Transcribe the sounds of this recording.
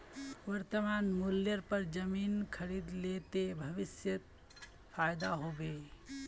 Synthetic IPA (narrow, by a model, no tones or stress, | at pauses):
ʋəɾt̪əmanmuljəɾpəɾd͡ʒəminkʰəɾid̪let̪ebʱəʋisjət̪̚ | pʰajd̪aɦobe